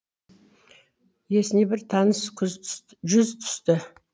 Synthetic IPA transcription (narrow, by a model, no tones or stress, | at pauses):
je̞sɪnebɪɾt̪ʰɑnəskʰʏz | ʒʏzt̪ʰʏ̥st̪ɪ